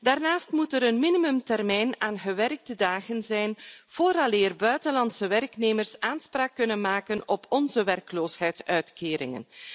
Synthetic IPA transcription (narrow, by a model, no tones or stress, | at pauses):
daːrnaːstmutəɾənminimɵmtɛrmɛjnaːnɣəʋɛrɡ̚dədaːɣənzɛjnv̥oːɾɑleːrbœɥtənlɑntsəʋɛrkneːmərsaːnspraːkːɵnənmaːkənɔpʰɔnzəʋɛrkloːshɛjtsœɥtkeːɾɪ̰ŋə̰n